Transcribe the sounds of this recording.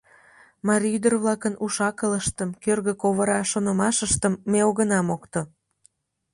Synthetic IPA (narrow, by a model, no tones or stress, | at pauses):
mɑɾʲiyd̪ərβlɑkənuʃɑkələʃt̪əmkørɣəkoβəɾɑʃonomɑʃəʃt̪əmːeoɣənɑmokt̪o